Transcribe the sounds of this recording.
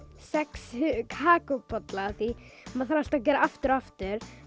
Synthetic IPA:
sɛkskʰaːkɔpɔt̪laːθimaðθaɾal̥t̪ac̬ɛːɾaaft̪ɪɾaft̪ʏɾ̥

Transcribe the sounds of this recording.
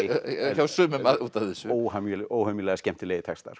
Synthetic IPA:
çawsʏːmɛmaðuːt̪aθɪsʏoːwhœmʔoːwhœmjilɛɣascɛm̥t̪ɪlejðɪt̪ʰɛkst̪a̰ɾ̥

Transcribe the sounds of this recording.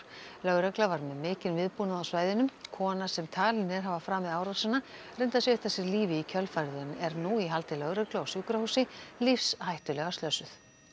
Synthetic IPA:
lœɣɾœklavaɾmɛðmɪːcɪnvɪðpunaðawsvaːjðɪnʏmkʰɔːnasɛmt̪ʰaːlɪnɪɾ̥ɦavafɾaːmɛðaːwɾasana | rejnt̪asjɛʏht̪asɪɾliːvɪicʰœlfajɾðʏnɛɾnuiɦalt̪ɪlœɣɾœklʏawsjuːkɾahuːsɪlifshajht̪ʏlɛɣast̪œsʏθ

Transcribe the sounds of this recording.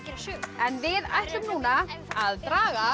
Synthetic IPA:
ɛnvɪða̰jht̪lʏmnuːnaaðt̪ɾaːɣa

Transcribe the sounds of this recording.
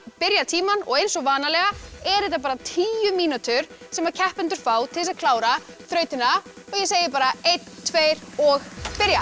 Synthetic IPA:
pɪɾjat̪ʰiːmanɔ̰ɣejnsɔɣvaːnalɛɣaɛɾɛht̪apaːɾat̪ʰiːjʏmiːnut̪ʏɾ̥sɛmvaɾcʰɛhpɛnt̪ʏɾ̥faːwt̪ʰɪlsaðkʰlaːwɾaθɾœːɥt̪ɪna | ɔɣjɛs̬eːjɪɾpaːɾaejt̪ʰːvejɾɔɣpɪɾja

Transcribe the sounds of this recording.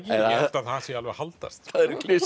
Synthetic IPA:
ciaɛft̪aθasɛalvɛ̰ɣhalt̪a̰st̪θaðɛɾklɪs

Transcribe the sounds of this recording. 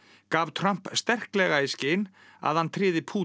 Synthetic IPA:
kaːvt̪ʰɾam̥pst̪ɛr̥klɛɣaiscɪːn | a̰ðhant̪ʰɾɪːðɪpʰuː

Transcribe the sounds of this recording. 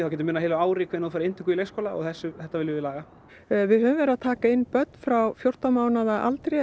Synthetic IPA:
θawcɛːt̪ɪmɪːnaeɪjlaaːwɾikʰɪɪnoːfaɾɪnt̪ɪ̥kʏileskowlaɔ̰ɣθɛsːʏθɛht̪avɪlɪvɪlaːɣa | vɪðɦœːvʏ̃mvɛːɾat̪ʰaːkaɪnːpœt̪̚nfɾawfjowr̥t̪amaːwnaðaʔa̰lt̪ɾej

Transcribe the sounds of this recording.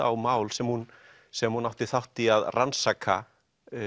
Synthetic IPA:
a̰wmaːwlsɛmhun | sɛmhunawht̪ɪθawht̪iaðrʔansaːkʰːa̰

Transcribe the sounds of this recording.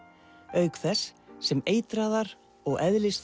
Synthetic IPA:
œɥkθɛsːɛmeːjt̪ɾaːðaɾ | ɔɣɛðlɪs

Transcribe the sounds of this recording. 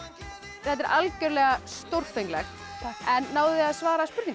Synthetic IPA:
θɛt̪ɛɾʔalcœɾlɛːɣast̪owɾr̥fejŋklɛxt̪ | ɛnːaːwðɪaðsvaːɾaspʏɾt̪ĩŋ

